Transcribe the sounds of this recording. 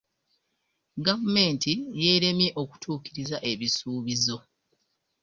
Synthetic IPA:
ɡavume̞ːntije̞ːɾe̞mje̞ʔo̞ku̥tʰuːkiɾizaʔe̞βisuːβizo̞

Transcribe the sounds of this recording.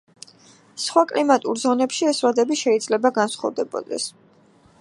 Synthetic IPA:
sχwakʼlimat̪ʼṵɾzɔnɛpʃiɛsvad̪ɛbiʃɛid̪zlɛbaɡansχɔ̰vd̪ɛbɔ̰d̪ɛ̰s

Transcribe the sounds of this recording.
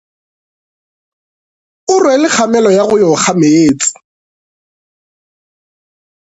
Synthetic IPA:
ʊrwɛlɪχamɛlɔjaɣʊjɔχameeːt͡sʼɪ̥

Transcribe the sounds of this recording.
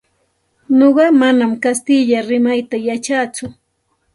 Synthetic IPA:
noɢɑmanamkast̪ɪʎaɾɪmajt̪ajat͡ʃaːt͡sʊ

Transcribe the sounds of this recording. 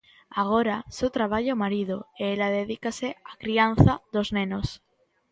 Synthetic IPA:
aɣ̞oɾasewt̪ɾaβ̞aʎaomaɾið̞oeelaðeðikaseakɾian̟θaðoznẽnos

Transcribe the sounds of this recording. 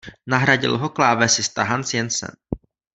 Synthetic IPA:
naɦɾaɟɪ̰lɦoklaːvɛsɪst̪aɦansjɛnsɛ̰n

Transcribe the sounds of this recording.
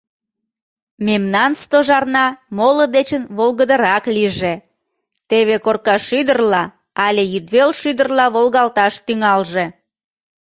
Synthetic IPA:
memnɑnst̪oʒɑrnɑmoləd̪et͡ɕənβolɣəd̪əɾɑkliʒe | t̪eβekorkɑʃyd̪ərlɑ | ɑlʲejyd̪βelʃyd̪ərlɑβolɣɑlt̪ɑʃt̪yŋɑlʒe

